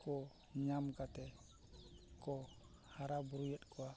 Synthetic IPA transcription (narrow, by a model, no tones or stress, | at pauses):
kɔ | ɲamkat̪ɛ | kɔ | haɾabuɾujɛt̪̚ˀkɔwa